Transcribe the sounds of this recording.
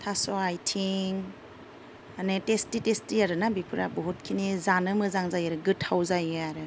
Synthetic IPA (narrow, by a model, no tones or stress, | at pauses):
tʰasɔajtʰiŋ | anetestitestiaɾɯnabipʰɯɾa̰bɔɦut̚kʰinizanɯmɯzaŋzajaɾɯɡɯtʰhawzajaɾɯ